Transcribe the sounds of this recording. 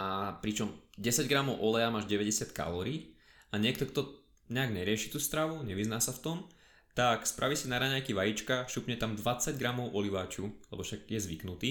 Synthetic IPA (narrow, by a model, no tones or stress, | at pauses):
apɾit͡ʃɔmɟɛsaɟɡɾamɔʊʔɔlɛjamaːʒɟɛʋɛɟɛsɪat̪ka̰lɔːɾiː | aɲɪɛk̚t̪ɔkt̪ɔ | ɲɛaɡɲɛɾɪɛʃit̪uːst̪ɾaʋuɲɛʋiznaːsaft̪ɔm | t̪akspɾʔaʋisinaɾaɲajkiʋajit͡ʃkaʃupɲɛt̪amd̪ʋat͡saɟɡɾamɔʊʔɔliʋaːt͡ʃulɛ̰bɔʃaɡjɛzʋḭknut̪iː